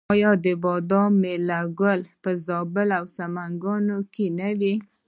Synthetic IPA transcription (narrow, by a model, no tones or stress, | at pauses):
ɑjɑd̪əbɑd̪ɑmelaɡʊlpəzɑbəlawsamaŋɡɑnokenəwi